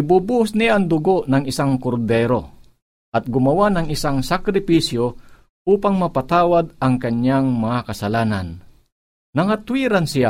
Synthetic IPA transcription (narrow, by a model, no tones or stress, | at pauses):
ʔɪbubusnɪjaʔɐŋd̪ʊɡo̞ʔnɐŋɪsaŋkoɾd̪ɛɾo̞ | ʔɐt̪̚ɡʊmɐwanɐŋʔɪsaŋsakɾɪpisjo | uːpaŋmɐpɐt̪aːwad̪̚ɐŋkɐɲːaŋmɐŋakɐsɐlaːnan | nɐŋat̪wiːɾansɪja